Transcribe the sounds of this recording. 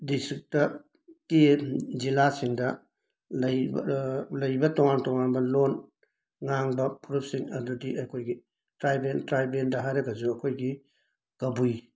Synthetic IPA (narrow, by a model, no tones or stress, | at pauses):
distɾik̚tɐ | tid͡ʒilasiŋdɐ | lɐj | lɐjbɐtɔŋantɔŋanbɐlon | ŋaŋbɐpʰuɾup̚siŋɐdudiʔɐkʰojɡi | tɾajbentɾajbendɐɦajɾɐɡɐd͡ʒuɐkʰojɡi | ɡ̥ɐbuj